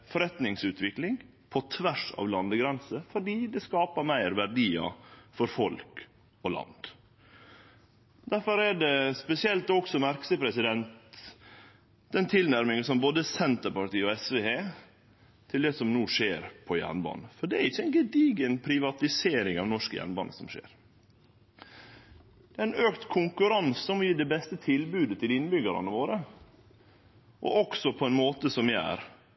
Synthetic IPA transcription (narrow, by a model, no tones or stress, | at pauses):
fɔɾɛt̪nɪŋsʉːt̪ʰʋɪklɪŋ | pʰɔt̪ʰʋæʂɑ̰ːʋlɑnd̪əɡɾɛnsəfɔɖiːd̪ɛskɑːpəɾmæɪɾʋæɾɖiːɑ̰fɔɾfɔlk | ɔlɑ̰nd̪̥ | d̪æɾfɔɾæɖɛspɛsɪɛlt̪ɔksɔmæɾksəpʰɾɛsɪd̪ɛnt̪ | d̪ɛnt̪ʰɪlnæɾmɪŋsɔmboːd̪əsɛnt̪əɾpɑʈiːɔɛsʋeːheː | t̪ʰɪld̪ɛsɔmnuːʂeːɾpʰɔjæ̰ɳbɑ̰ːnəfɔɖɛæɾɪçːəɛnɡəd̪iːɡənpʰɾɪʋɑt̪ɪseːɾɪŋɑ̰ʋnɔʂkə̰jæ̰ɳbɑ̰ːnə̰sɔmʂḛːɾ | d̪̥ɛæɪnøːkt̪kʰʊŋkʉɾɑnsːɔmjiːɖɛbɛst̪ət̪ʰɪlbʉːd̪ət̪ʰɪlɪnːbʏɡəɾɑ̰nəʋoːɾə | ʔɔ̰ʔɔksɔpʰɔɛnmoːt̪əsɔmʋɪæ̰ːɾ